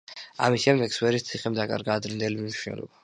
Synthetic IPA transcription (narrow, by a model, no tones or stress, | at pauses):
a̰miʃʃɛmd̪ɛkswɛɾist̪sʰiχɛmd̪akʼa̰ɾɡaːd̪ɾind̪ɛliminiʃunɛ̰lɔ̰ba